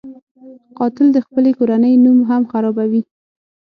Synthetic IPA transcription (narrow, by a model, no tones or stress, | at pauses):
qɑt̪ɪld̪əxpəlekoɾanəjnumɦamxaɾɑbawi